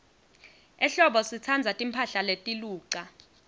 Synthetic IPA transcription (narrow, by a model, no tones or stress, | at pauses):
ɛɬɔɓɔsit͡sʰand͡zʱatʼimpʰaɬaletʼiluːǀa